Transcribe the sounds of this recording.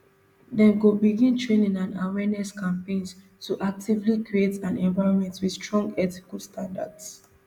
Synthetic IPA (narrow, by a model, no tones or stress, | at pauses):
dɛ̃nɡobiɡĩntʰɹẽnĩŋãna̰wɛnɛskʰãmpẽns | tuʔak̚tʰivlikɹietãnɛ̃nvaɪɹɔ̃nmɛ̃ntwidstɹɔ̃ŋɡɛti̥kəlstʰãnda̰ds